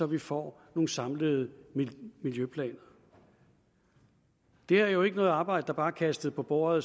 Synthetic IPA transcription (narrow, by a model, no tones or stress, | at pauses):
ɒ̽ʋifɒ̰ːno̝ːn̩sɑ̈mləð̩ˠ | miljøpʰlɛ̰ːnɐ | d̥e̝æɐjo̝e̝ɡənɔ̽ːð̩ˠɑ̈ːb̥ɑ̈ɪ̰d̥əd̥ɑ̈b̥ɑ̈ːkʰæsd̥ð̞̩ˠpʰɒ̽b̥ɔːɐð̩ˠ